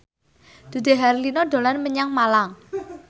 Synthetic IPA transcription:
d̪̥ṳd̪e̤ɦaɾlinɔd̪o̤lanməɲaŋmalaŋ

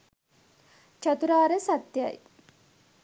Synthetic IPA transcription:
t͡ʃat̪uɾaːɾəsat̪ja̰j

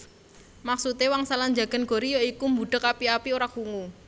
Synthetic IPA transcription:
maksut̪ewaŋsaland͡ʒa̤ɡ̥ə̤nɡ̥o̤ɾijoikumbuɖ̥ə̤kapiapioɾakuŋu

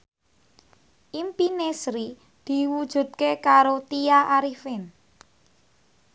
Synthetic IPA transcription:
ʔimpinesɾi | d̪̥i̤wud̥ʒ̥ṳd̪̚kekaɾot̪ijaʔaɾifɪn

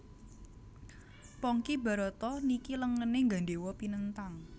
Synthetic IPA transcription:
pɔŋkiba̤ɾɔt̪ɔnikiləŋəneŋɡanɖewɔpinənt̪aŋ

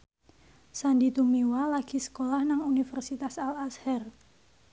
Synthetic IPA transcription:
sandit̪umiwalaɡ̥i̤sə̥kolahnaŋunifərsit̪asalashɛr

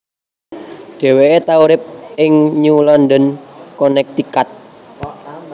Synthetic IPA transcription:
ɖ̥e̤weet̪auɾɪp̚ɪŋɲulɔnd̪ənkɔnɛk̚t̪ikat̪̚

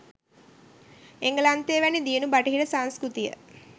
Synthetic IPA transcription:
eŋɡəlant̪eːʋænid̪iənubaʈiɦiɖəsaŋskɾut̪ijə̰

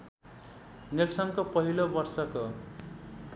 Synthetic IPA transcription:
nelsʌŋkopʌɦilobʌrsʌko

